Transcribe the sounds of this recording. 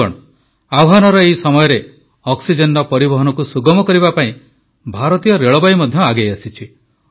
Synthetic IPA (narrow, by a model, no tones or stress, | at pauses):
ɔ̰̃ | awɦanɔɾɔejsɔmɔjɔɾe | ɔksid͡ʒenɖɔpɔɾibɔɦɔnɔkusuɡɔmɔkɔɾibapaĩ | bʱaɾɔt̪ijɔɾeɭɔbajmɔd̪ʱjɔaɡejasit͡ʃʰi